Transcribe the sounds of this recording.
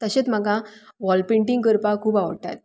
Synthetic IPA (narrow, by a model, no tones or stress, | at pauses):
t̪əɕet͡sm̤aɡaʋɔlpeɳʈiŋɡkəɾpakʰuːbaʋɽʈa̰t̪